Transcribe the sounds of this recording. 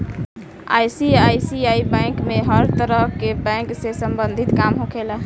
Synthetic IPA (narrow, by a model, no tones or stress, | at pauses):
a̰jsiajsiaibɛ̃kmeɦəɾt̪əɾəɦkebɛ̃ŋksesəmbənd̪ʱit̪kamɦõkʰela